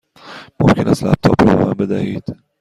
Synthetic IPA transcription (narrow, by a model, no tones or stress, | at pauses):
momcʰenʔæst̪læp̚t̪ʰɒːpʰɾɒmæmbe̞d̪æhiːd̪̥